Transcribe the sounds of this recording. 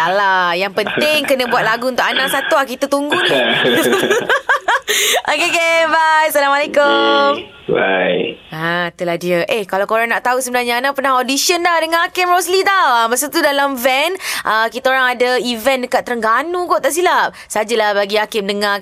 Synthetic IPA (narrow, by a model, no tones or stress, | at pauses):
alajaŋpənt̪ɪŋkənə̃buat̪̚laɡuunt̪ʊʔanaʔsat̪uahkit̪ət̪uŋɡuni | okekebajsalamalekom | ba̰jat̪uladiəʔehkalawkoɾaŋnaʔt̪ausəbənarɲaːnaʔpərnahodisiəndahdəŋãnakɪmroslit̪awaməsut̪udalamvɛnʔəkit̪aoɾaŋadaivɛndəkat̪ːəɾəŋɡanuɡoʔt̪aʔs̬ilap̚sad͡ʒalahbaɡiakɪmdəŋa